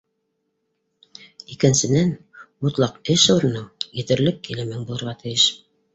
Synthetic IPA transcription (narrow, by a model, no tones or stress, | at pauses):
ikɘ̆nsɘ̆nænut̪lˠɑqɘʃuɾɤ̆nɤjɘ̆t̪ɘ̆ɾlɘkːilɘ̆mɘŋbulˠɤ̆ɾʁɑt̪ʰɘ̆jɘʃ